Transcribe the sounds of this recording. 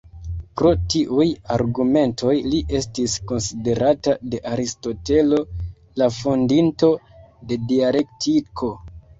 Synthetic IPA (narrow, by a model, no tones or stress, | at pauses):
pɾo̞tiʔujaɾɡume̞ntʰo̞jliʔe̞stisko̞nside̞ɾʔatade̞ʔaɾisto̞te̞lo̞ | lafondinto̞ | de̞diale̞ktʰikʰo̞